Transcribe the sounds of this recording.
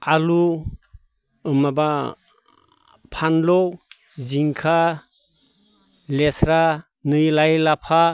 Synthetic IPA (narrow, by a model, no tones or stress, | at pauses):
alu | maba | pʰanlɔw | ziŋkʰa | lesɾa | nɯjlajlapʰa